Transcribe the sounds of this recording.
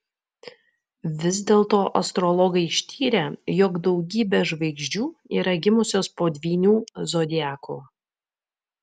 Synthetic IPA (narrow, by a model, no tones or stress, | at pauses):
ʋʲɪzʲd̪ʲeːlˠt̪oːʔɐst̪ɾɔlˠɔɡɐɪʃʲt̪ʲʰiːɾʲɛjɔɡd̪ɒʊɡʲiːbʲeːʒʋɐɪɡʒʲd͡ʒʲuːḭːɾɐɡʲɪmʊsʲoːspoːd̪ʲʋʲiːnʲuːzoːd̪ʲɪjæːku